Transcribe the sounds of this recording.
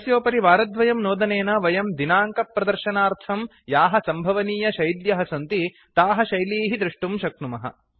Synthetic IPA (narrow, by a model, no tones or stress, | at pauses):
ɐsjoːpɐɾiʋaːɾɐd̪ʋɐjɐmnoːd̪ɐneːnɐʋɐjɐmd̪inaːŋkɐpɾɐd̪ɐɾʃɐnaːɾt̪ʰɐm | jaːɦɐ̆sɐmbʱɐʋɐniːjɐʃɐjd̪jɐɦɐsɐnt̪i | t̪aːɦɐʃɐjliːɦid̪ɾuʂʈumʃɐknumɐɦɐ̰